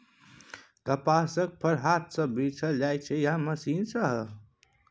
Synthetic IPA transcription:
kəpasək̚pʰəɾɦat̪̚ʰsə̃bit͡ʃʰə̃d͡ʒajt͡ʃʰɛjaməsinsəɦ

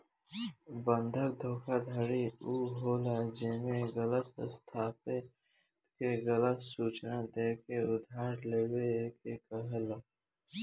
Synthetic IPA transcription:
bə̃nd̪ʱəɾd̪ʱoːkʰad̪ʱəɽiuːɦoːlaːd͡ʒeːmẽɣələt̪ə̰st̪ʰaːpe | t̪keɣələt̪suːt͡ʃnãːd̪eːkeʊd̪ʱaːɾleːweːkeːkəɦəlaː

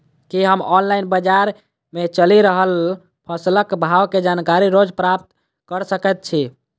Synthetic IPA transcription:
kiɦəmɔnlainbəd͡ʒaɾ | met͡ʃəliɾəɦəl | pʰəsləkbʱawked͡ʒankaɾiɾod͡ʒpɾap̚t̪ | kəɾsəkɛt̪̚t͡ʃʰi

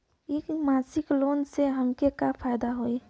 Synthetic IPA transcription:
ikmaːsɪklonseɦəmkekapʰajd̪aɦoi

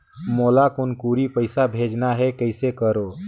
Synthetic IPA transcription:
molakonkuɾipəjsabʱed͡ʒnaɦɛkəɪsekəɾo

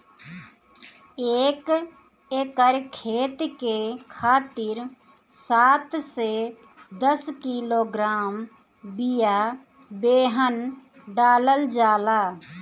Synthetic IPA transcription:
eːk | eːkəɾkʰeːt̪kekʰaːt̪ɪɾ | saːt̪se | d̪əskiːloːɡɾaːm | bɪja | beːɦən | ɖaːləld͡ʒaːlaː

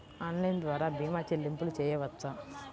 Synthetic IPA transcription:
ɐnlɐjnd̪ʋaːɾaːbʱiːmaːt͡ʃelimpulut͡ʃɛːjɐʋɐt͡s̪ːa

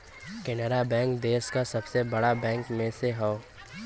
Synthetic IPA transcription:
kɛnəɾabɛ̃ːŋkd̪eːskasɐbsebɐɽabɛ̃ːŋkmẽseɦɔo

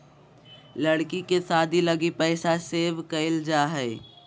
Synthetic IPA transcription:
ləɽkikesaːd̪ʱiləɡipɛɪsaseːʋkəɪld͡ʒaːɦɛː

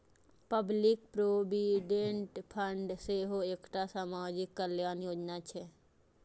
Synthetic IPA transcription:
pəblɪkpɾoːbiɖẽɳʈpʰəɳɖseɦoeːkʈ̪asaːmaːd͡ʒɪkːəljaːnjoːd͡ʒnat͡ʃʰe

